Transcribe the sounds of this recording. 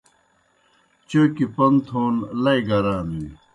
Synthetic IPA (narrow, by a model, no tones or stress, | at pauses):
t͡ɕoːkipɐnt̪ʰoːnlɐjɡɐɾaːni